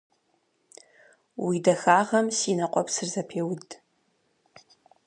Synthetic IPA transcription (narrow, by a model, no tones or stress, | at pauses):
widɐxaːʁɐmsiːnɐqʷʼɔpsɨrzɐpʰeːwd